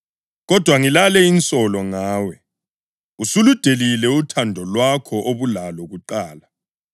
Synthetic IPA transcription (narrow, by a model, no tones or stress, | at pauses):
ɣɔd̥ʱwaŋilalɛint͡sʼɔlɔŋaːwɛ | usulud̥ʱelilɛutʰandʱɔlwakʰɔʔoβulalɔɣuǃaːla